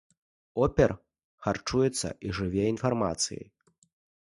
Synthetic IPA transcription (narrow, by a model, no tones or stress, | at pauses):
ɔpʲɛr | xart͡ʂujɛt̪sːɐ̰ʔiʐɨvʲɛinfarma̰t̪sɨ̰jɐ̰j